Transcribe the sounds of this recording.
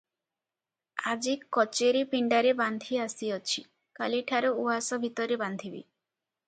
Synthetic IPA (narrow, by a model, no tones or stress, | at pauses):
ad͡ʒikɔt͡ʃeɾipiɳɖaɾeband̪ʱiasiɔt͡ʃʰi | kaliʈʰaɾɔuɦasɔbʱit̪ɔɾeband̪ʱibḭ